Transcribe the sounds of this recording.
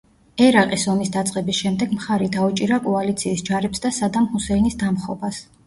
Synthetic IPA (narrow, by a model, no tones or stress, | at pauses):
ɛɾaqʼisɔmisd̪at̪sʼqʼɛbisʃɛmd̪ɛɡmχaɾid̪aut͡ʃʼiɾakʼɔalit̪sʰiːsd͡ʒaɾɛpsd̪asad̪amhusɛinisd̪amχɔbas